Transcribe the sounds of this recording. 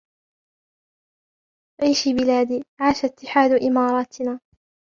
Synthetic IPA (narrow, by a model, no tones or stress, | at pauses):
ʕiːʃiːbɪlaːd̪iːʕaːʃat̪ːɪħaːd̪ʊʔɪmɑːɾˤɑːt̪naː